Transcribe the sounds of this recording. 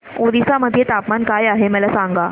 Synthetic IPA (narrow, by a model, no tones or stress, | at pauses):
od̪isaməd̪ʱːjet̪apmankajaɦeməlasãŋɡa